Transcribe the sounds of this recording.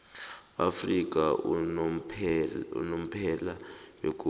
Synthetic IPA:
a̰frik̬a | ṵnom̩pʰɛlajok̬u

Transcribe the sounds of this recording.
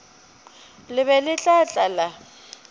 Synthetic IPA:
lɪβɛlɪt͡ɬʼat͡ɬʼala

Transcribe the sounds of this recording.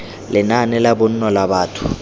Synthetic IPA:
lɪnanɪlabʊn̩nɔlabaːtʰʊ̥

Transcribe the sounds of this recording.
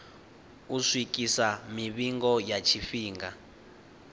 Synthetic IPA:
uʂwikʼisamiβiŋɡɔjat͡ʃʰifiːŋɡa

